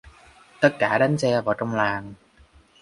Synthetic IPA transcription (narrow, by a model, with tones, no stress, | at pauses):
t̪ə˦˥t̚kaː˧˩ɗa˨˦ŋ̟sɛ˧vaː˨˩wt͡ɕɔ˧wŋ͡mlaː˨˩ŋ